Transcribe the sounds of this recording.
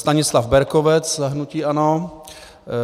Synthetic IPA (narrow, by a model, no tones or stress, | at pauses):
st̪aɲɪslavbɛɾkovɛt͡sɦnuciːʔano